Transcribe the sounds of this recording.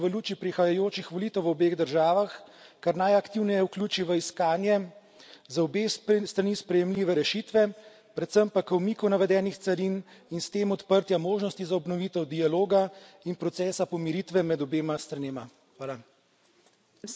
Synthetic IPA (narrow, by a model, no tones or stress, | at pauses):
ʋəluːt͡ʃipɾixajajoːt͡ʃixʋɔlit̪əwʋɔbeːɣd̪əɾʒaːʋaxkaɾnajɐkt̪iwnɛjɛwklʲuːt͡ʃiʋəiskaːnjɛ | zaɔbest̪ɾanispɾɛjɛmliːʋɛɾɛʃit̪ʋɛ | pɾɛt̪səmpakɐwmiːkɔwnaʋɛd̪ɛːnixt̪sɐɾininst̪eːmɔt̪pəɾt̪jamoːʒnɔst̪izaɔbnɔʋiːt̪ɛwd̪ialoːɡainpɾɔt̪sɛːsapɔmiɾiːt̪ʋɛmɛd̪ɔbeːmast̪ɾaneːma | xʋaːla